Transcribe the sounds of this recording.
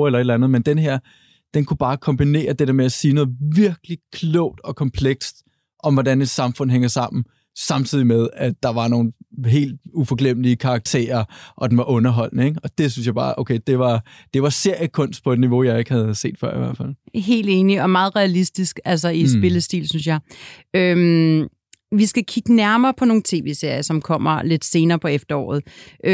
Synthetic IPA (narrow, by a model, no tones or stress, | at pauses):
elɐe̝dlænðˠmend̥enɦeɐ̰ | d̥enkʰub̥ɑ̈ːkʰɒ̽mb̥ine̝̰ːɐd̥e̝ɾ̥eɐmeæsiːnɔ̽ːð̩ˠʋiɐɡ̥likʰlɔʊ̰d̥ɒ̽kʰɒ̽mpʰleɡ̥sd̥ | ʔɒ̽mʋɒɾæne̝d̥sɑ̈mfɔ̽n̰ɦeŋɐsɑ̈m̰n̩ | sɑ̈mt͡sʰið̞̰ˠimeðˠæd̥ɑ̈ʋɑ̈no̝ːn̩ɦe̝̰ːld̥ufɒ̽ɡ̥lem̰əliəkʰɑ̈ːɡ̥t͡sʰe̝̰ːɐʔɒ̽d̥enʋɑ̈ʔɔ̽nɐɦɒ̽l̰nəeɡ̥ɒ̽d̥e̝s̬ynsjɑ̈ɪbɑ̰̈ːʔoʊkʰeɪd̥e̝ʋɑ̈d̥e̝ʋɑ̈se̝ɐ̰jəkʰɔ̽n̰sd̥̚pʰɒ̽e̝d̥niʋo̝jɑ̈ɪe̝ɡ̥hæð̞ˠse̝̰ːd̥fɶɐ̰iʋæɐ̰dfæl̰ɦe̝̰ːld̥e̝ːniɒ̽mɑ̈ːð̞̩ˠʁɛælisd̥isɡ̥ælsɒisb̥e̝ləsd̥ḭːlsyns̬jɑ̈ɪøm | ʋisɡ̥ækʰiɡ̥ənæɐmɐːpʰɒ̽no̝ːn̩t͡sʰe̝̰ːʋe̝̰ːse̝ɐ̰jɐsɒ̽mkʰɒ̽m̰ɐle̝d̥se̝ːnɐːpʰɒ̽efd̥ɐɒ̰ːð̞̩ˠʔ